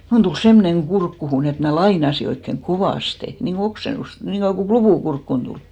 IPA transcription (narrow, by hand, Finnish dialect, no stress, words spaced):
mun tul semːoneŋ ɡ̊urkːuhun et mnæ lɑinɑsi oikːeŋ koʋɑˑste niŋko oksenust niŋko joku klupuˑ kurkːun tuliˑ